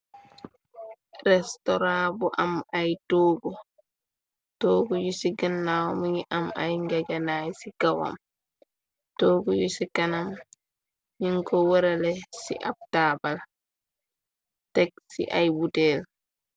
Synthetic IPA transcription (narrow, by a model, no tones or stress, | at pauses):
ɾɛstɔɾabɔʔamajtoɡɔ | toɡujusiɡanːawɔmiŋiʔama̰jŋɡad͡ʒanajsiɡawa̰m | toːɡujusikanam | ɲiŋkɔwɔɾɛlɛsḭʔa̰b̚tabal | tɛksḭʔajbutɛl